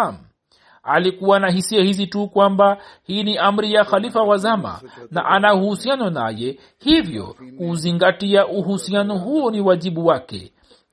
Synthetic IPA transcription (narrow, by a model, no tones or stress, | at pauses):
am̩ | alikuwanaɦisiahizitukwambahiːniʔam̩ɾijaxalifawazama̰na̰ʔanauhusianɔna̰jɛ | hivjɔ̰kuːziŋɡatiaʔuhusianɔɦuɔniwaʄiɓuwakɛ̰